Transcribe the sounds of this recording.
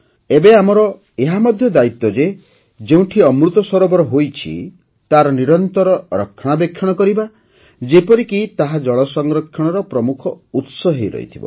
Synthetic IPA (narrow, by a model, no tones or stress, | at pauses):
ebeamɔɾɔ | eɦamɔd̪ʱjɔd̪ait̪ːɔd͡ʒe | d͡ʒeũʈʰiɔmɾut̪ɔsɔɾɔbɔɾɔɦojt͡ʃʰḭ | t̪aɾɔniɾɔnt̪ɔɾɔɾɔkʰːɔɽ̃abekʰːjɔɽ̃ɔkɔɾiba | d͡ʒepɔɾikit̪aɦad͡ʒɔɭ̃ɔsɔŋɡɾɔkʰjɔɽ̃ɔɾɔpɾɔmukʰɔut̪sɔɦeɾɔ̰ḭt̪ʰibɔ̰